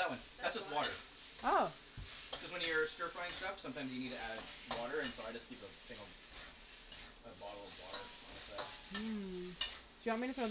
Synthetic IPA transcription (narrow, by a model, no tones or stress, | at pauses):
ðət̚wʌ̃n | ðætsd̥ʒ̥ʌst̚wɔɾə̰˞ | oʊ | kʰʌzwɨ̃njɨə˞stɜ˞faɪɪ̃ŋstɛpsʌ̃mtʰãɪ̃mzjɨnid̚tʰɨæd̚wɔɾə˞ɨ̃nsoʊaɪd͡ʒʌskʰip̩ˠtʰɪ̃kl̩̃n | əbɑ̰ɾl̩ˠʌvwɔ̰ɾə̰˞ã̰ɨsaɪ̥m̩ | samĩnf